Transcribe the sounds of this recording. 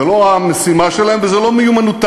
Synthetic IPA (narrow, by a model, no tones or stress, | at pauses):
elo̞amesimaʃelaemvezelo̞mejumanut̪